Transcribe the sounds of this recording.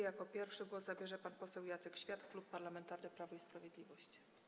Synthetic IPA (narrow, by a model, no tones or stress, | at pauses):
jakɔpʲjɛɾfʂɘɡwɔszabʲjɛʐɛpanpɔsɛwjat̪sɛkɕfʲjat̪klupːaɾlamɛnt̪aɾnɛpɾavɔispɾavʲjɛd̪lʲivɔɕt͡ɕ